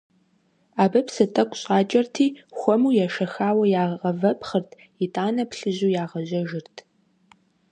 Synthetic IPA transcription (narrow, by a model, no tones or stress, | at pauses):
aːbɐpsɨtʼɐkʷʼɕʼaːt͡ʃʼɐrtʰiːxʷɔmuːjaʃɐxaːwɐjaːʁʁɐvɐpχɐrtʰ | jɪtʼaːnɐpɬɨʑuːjaːʁɐʑɐʒɪrtʰ